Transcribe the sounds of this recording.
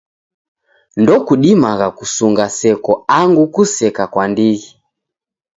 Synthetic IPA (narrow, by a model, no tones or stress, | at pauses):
ndɔkuɗimaɣakusuŋɡasɛkɔaŋɡukusɛkakwandiɣi